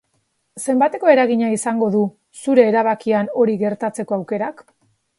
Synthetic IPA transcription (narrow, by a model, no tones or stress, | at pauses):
se̞mbat̪e̞ko̞e̞ɾaɣiɲaisaŋɡo̞ðu | suɾe̞ːɾaβ̞akiano̞ɾiɣe̞ɾt̪at͡se̞ko̞awke̞ɾak